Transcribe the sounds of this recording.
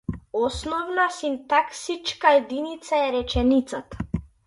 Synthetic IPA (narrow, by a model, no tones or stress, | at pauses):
ɔsnɔvnasint̪aksit͡ʃkaɛd̪init̪saɛɾɛt͡ʃɛnit̪sat̪ḁ